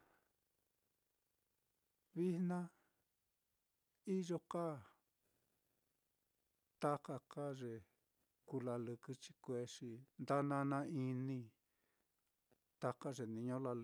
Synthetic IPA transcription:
βi˦hnã˦ | i˦ʒo˧ka˦˨ | t̪a˦ka˧ka˦ʐe˨ | ku˧la˧lu˧kɨ˧t͡ʃi̥˧kʷe˧˦ʂi˧nd̪a˦nã˧nã˧˦i˧nĩ˧ | t̪a˧ka˦ʐe˨nĩ˧ɲõ˦la˧l

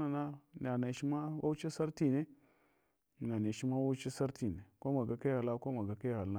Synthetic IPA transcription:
na˨na˦n˨a˨na˨ʃi˦ma˦wʔa̰˦wt͡ʃi˦sa˦ɾti˦ne˦˨ | n˨a˨na˨ʃi˦ma˦wa˦t͡ʃi˦sa˦ɾti˨ne˨ko˦ma˨ɡa˨ka˦ɣa˨la˦ko˦ma˨ɡa˨ka˦ɣa˨lna˦

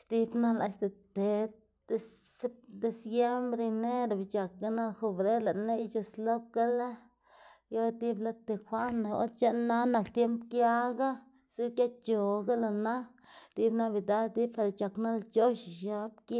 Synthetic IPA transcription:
t̪i˦bna˦la˧ʃt̪e˨t̪e̥˨˦ | s | se˦d̪e˧sɡe˦mbɾi˧ne˦ɾa˨bi˨t͡ʃa˨k̚ɡa˦na˦xo˧bɾe˦la˨ʔnːe˦jt͡ʃo˧slo˦kɡa˦la˦ | jo˦t̪i˦bla˦t̪e˧˨xʷa˦na˨o̰˦t͡ʃe˦na˦na˨kt̪je˦mpkja˦ɡa˦ | su˦kja˦tt͡ʃo˨ɡa˦la˧˨na˦ | t̪i˦bna˦bi˨d̪a˦t̪i˦bfa˨ɾa˨t͡ʃa˨kna˦lt͡ʃo˦ʃʃa˦b̚k

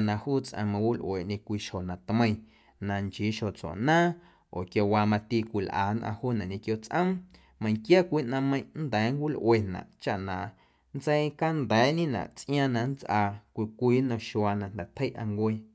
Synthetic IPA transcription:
nã˧huː˦t͡sʔã̰˧mã˧wi˦lʔwe˨ʔɲẽ˧kʷiː˧ʃho˨nã˨t̪mə̃˧j̃ | nã˧nt͡ʃiː˨˦ʃo˨t͡sɔ̰˨ʔnãː˦ | ʔoː˨kjo˧waː˧mã˧t̪i˧kʷi˧˨lʔa̰ː˨nʔã̰˧huː˦˨nã˨ʔɲẽ˧kjo˧t͡sʔə̃˦m | mə̃˧j̃kja˦kʷiː˦ʔnã˧mə̃˧j̃nd̪ɛː˨˦ŋkʷi˦lʔwe˧˨nã̰˨ʔt͡ʃa˧ʔnã˨ʔ | nt͡se˦jka˦nd̪ɛː˨˦ɲẽ˦nã̰˨ʔt͡sʔj̃ã˦˧nã˧nt͡sʔaː˧kʷi˧kʷiː˦nõ˧ʃwa˧nã˧nd̪ɛ˨t̪ʰə˦jʔa˧ŋkʷe˧

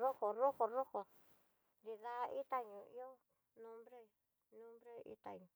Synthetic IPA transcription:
ɾo˦ko˨ɾo˦ko˨ɾo˦ko˨ | nd̪i˧ða˧ʔi˦t̪a˧ɲũ˨˧ḭ˦o˦ | nũ˦mbɾe˦ | nũ˦mbɾe˦ḭ˦t̪a̰˧ɲũ˨

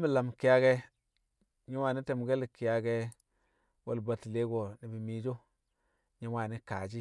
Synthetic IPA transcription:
mi˨la˨m˨ki˨ja˦ɡe˦ | ɲi˦wa˨ni˦te˨m˨ɡe˦li˨ki˨ja˨ɡe˦ | wo˨lba˨tle˦ɡo˨ni˨bi˨mi˨d͡ʒo˦ | ɲi˦wa˨ni˦ka̰˨d͡ʒi˦

